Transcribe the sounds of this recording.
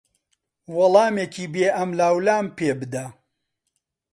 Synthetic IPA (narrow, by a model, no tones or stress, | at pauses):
wɐlˠɑːmeːkʰiːbeːʔɐmlaːwlaːmpeːbɨd̪ɐ